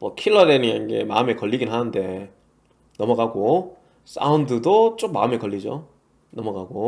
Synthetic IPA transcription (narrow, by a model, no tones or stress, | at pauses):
mʌkʰiɭːʌdenianɡe̞̰ma̰ɯme̞kʌʎːiɡinɦanɯnde̞ | nʌmʌɡaɡo | s͈ʰa̰undɯdot͡ɕ͈ok̚ma̰ɯme̞kʌɭʎːid͡ʑo | nʌmʌɡaɡo